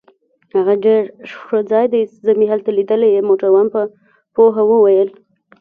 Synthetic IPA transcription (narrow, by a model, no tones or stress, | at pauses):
haɣaɖeɾʂʂod͡zɑjd̪ajszəmiɦalt̪alid̪əlejemoʈaɾwanpə | poɦawəwajəl